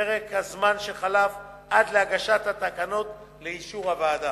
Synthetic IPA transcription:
eʁekhazmanʃeχalaf | ʔad̪leaɡaʃat̪hat̪akano̞t̪ | leiʃuʁhavaːda

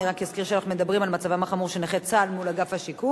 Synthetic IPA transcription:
iʁakjaskiʁʃeanaχnume̞d̪abʁimalmat͡savamaχamuʁʃeneχet͡salmulaɡafhaʃiku

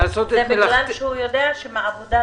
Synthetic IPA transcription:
asot̪emelanʃehujod̪eaʃemaavod̪a

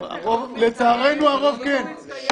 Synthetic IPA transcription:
a̰ʁovlet͡saːʁejnuaʁo̞vken

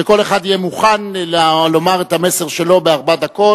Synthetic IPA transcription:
eko̞leχadijemuχanlalo̞maʁetame̞seʁʃe̞lo̞beaʁbad̪ako̞

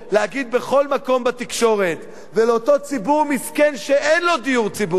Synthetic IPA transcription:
leaɡid̪̚be̞χo̞lmako̞mbat̪ikʃo̞ʁe̞t̪ | veleot̪o̞t͡sibuʁmiskenʃeʔenlo̞d̪ijuʁt͡sibu

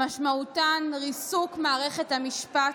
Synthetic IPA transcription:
aʃmautanʁisukmaːʁeχethamiʃpa

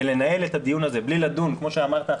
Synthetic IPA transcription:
le̞nae̞let̪had̪ijunaze̞blilad̪unkmo̞ʃeamaʁt̪a

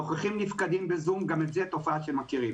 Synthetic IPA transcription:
oχaχimnifkad̪imbezumɡametzet̪o̞faaʃemakiʁim

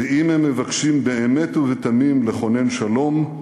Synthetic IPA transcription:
eimhemːevakʃimbeemet̪uvet̪amimleχo̞nenʃalo̞m

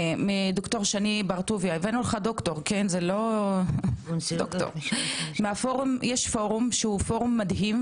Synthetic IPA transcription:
mid̪okt̪oʁʃanibaʁt̪uvjaevenulχad̪okt̪oʁkenzelo | d̪okto̰ʁmeafoʁumjɛʃfoʁumʃehufoʁumːad̪ɦim

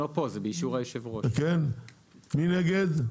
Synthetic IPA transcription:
opozebeiʃuʁajoʃevʁoken | mineɡed̪

